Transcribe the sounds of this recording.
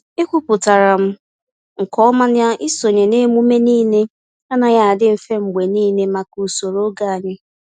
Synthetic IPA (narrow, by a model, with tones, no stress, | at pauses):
ɪ˦kʷu˦pʊ˨ta˨ɾa˨m̩˦ | ŋ̩˨kɔ˦ma˦n˦ja˦ʔɪ˦so˨ɲe˨ne˦mu˦me˦niː˦ne˦ | a˦na˨ja˦a˨dɪ˦m̩˨fe˦m̩˨ɡ͡be˨niː˦ne˦ma˨ku˨so˨ɾo˦ɡa˦˨ɲɪ˦